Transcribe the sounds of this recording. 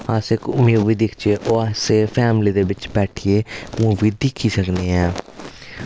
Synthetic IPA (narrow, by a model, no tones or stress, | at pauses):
aːsekʊmjoʋiːd̪ɪkʰt͡ʃeːʔoːaːseːpʰɛːmliːd̪eːʋɪt͡ʃbɛːʈʰieːmʊʋiːd̪ɪkʰːiːsəkneːɛː